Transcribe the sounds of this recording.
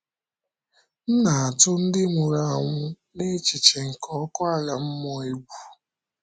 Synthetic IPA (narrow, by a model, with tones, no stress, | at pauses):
n̩˦na˨a˨tʊ˦n̩˦dɪ˦mʊ˨ɾa˨a˨ŋʷʊ˦ | ne˦t͡ʃi˨t͡ʃe˨ŋ̩˨kʰɔ˦kɔ˦a˦la˨m̩˦mɔ˦i˦ɡʷu˨